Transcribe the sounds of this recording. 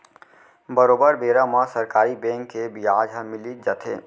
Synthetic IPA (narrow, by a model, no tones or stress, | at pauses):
bəɾoːbəɾbeːɾãmãsɐɾkaːɾibɛ̃ːŋkːebiaːd͡ʒamɪlid͡ʒɐt̪ʰḛː